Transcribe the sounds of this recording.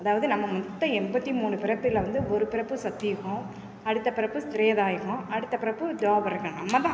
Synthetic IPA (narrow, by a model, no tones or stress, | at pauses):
ɐðaːʋɐðɯnɐmːɐmɔt̪ːɐɛmbɐt̪ːimuːɳɯpɪɾɐpːɪlɐʋɐnd̪ɯɔɾɯpɪɾɐpːɯsɐt̪ːɪjɐɣʊ̃ | ɐɽɯt̪ːɐpɪɾɐpːɯst̪ɪɾeːðaːjɐɣɔ̃ɐɽɯt̪ːɐpɪɾɐpːɯd̪oːbɐɾɯkːɐ̃nɐmːɐt̪ãː